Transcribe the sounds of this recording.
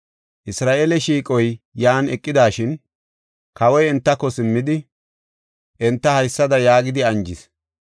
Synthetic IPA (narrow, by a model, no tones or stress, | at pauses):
ʔɪsɾaːʔelɛʃiːkʼɔjjaːnɛkʼːɪd̪aːʃɪn | kɐwɔjɪnt̪ːɐkːɔsɪmːɪd̪ɪ | ʔɛnt̪ːɐhɐjsːɐd̪ɐjaːɡɪd̪ɪɐnd͡ʒɪs